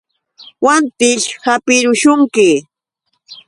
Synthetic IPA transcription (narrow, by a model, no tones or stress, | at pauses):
want̪ɪʃhapɪɾʊʃʊŋkɪ